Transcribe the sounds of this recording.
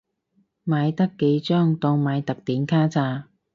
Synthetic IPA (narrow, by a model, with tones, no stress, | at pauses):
maː˨˧jt̪ɐ˥kːe˨˧˥jt͡ʃœː˥ŋt̪ɔː˧ŋmaː˨˧jt̪ɐ˨k̚t̪iː˨˥nkʰaː˥t͡saː˧